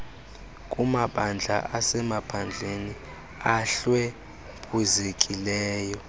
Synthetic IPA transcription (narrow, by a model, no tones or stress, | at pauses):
kʼumaɓand͡ɮʱa̰asɛmapʰand͡ɮʱeni | aɬwɛ | pʰʼuzekʼilɛːjɔ